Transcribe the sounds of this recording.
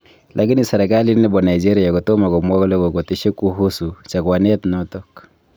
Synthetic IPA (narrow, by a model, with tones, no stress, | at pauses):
lʔa˨ki˦ni˨sa˨ɾe˨kali˦nɛ˦bɔ˨na˨id͡ʒe˦ɾi˨a˨ko˨to˦ma˨kɔ˨mwɔ˦kle˦ko˨ko˨ti˦ʃe˦ku˦ɦu˦su˨t͡ʃa˨kwa˨nɛ˦tnɔtɔk